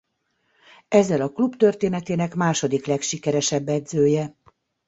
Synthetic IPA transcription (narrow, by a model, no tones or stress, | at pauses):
ɛzːɛlɒklubt̪ø̞rt̪eːnɛt̪eːnɛkmaːʃo̞d̪iklɛkʃikɛɾɛʃɛbːɛd̪zøːjɛ